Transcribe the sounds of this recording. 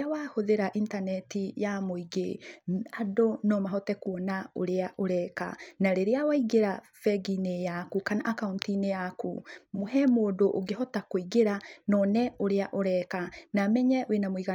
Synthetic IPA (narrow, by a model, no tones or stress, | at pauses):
awahoðeɾaʔintanɛtijamoiɡḛadonɔmaɦɔtɛkuɔnao̰ɾeaʔoɾɛka̰naɾeɾeawaiɡeɾa | fɛɡinejakukanaʔakauntinejakṵmohɛmoːdoʔoɡeɦɔtakoiɡeɾanɔnɛoɾeaʔoɾɛkanamɛɲɛwenamoiɣa